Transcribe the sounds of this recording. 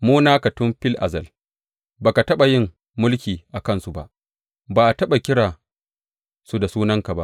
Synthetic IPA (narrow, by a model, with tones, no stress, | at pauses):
moː˦naː˦ka˨tʊ˦mɸɪ˦lʔa̰˨zɐ˨l | baː˨ka˨tɐ˦ɓa˨jɪ˦˨mː | ʊ˦lkʲiː˨ʔa˨kɐ˦˨nsu˨ba̰˦ʔ | baː˨ʔa˨tɐ˦ɓa˨kʲɪ˦ɽaː˨ | su˦da˨suː˦nɐ˦ŋka˨ba˦ʔ